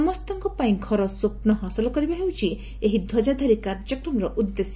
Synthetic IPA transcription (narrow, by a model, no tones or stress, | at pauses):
ɔmɔst̪ɔŋkɔpaĩɡʱɔɾɔsopnɔɦasɔlɔkɔɾibaɦewt͡ʃʰi | eɦid̪ʱɔd͡ʒad̪ʱaɾikaɾd͡ʒɔkɾɔmɾɔʔud̪ːesɔ